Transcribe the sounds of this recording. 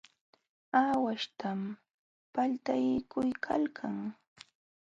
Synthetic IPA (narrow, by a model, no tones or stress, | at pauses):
aːwaʃt̪am | palt̪ajkʰʊjkʰa̰lkʰaŋ